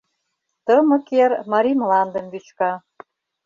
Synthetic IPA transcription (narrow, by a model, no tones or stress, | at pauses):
t̪ɤmɤ̆kermɑɾʲimlɑnd̪ə̆mβyt͡ɕkɑ